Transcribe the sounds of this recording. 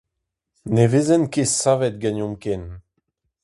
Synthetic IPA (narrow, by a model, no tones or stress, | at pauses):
nevezɛnkesavɛt̪̚ɡanɔ̃mkɛn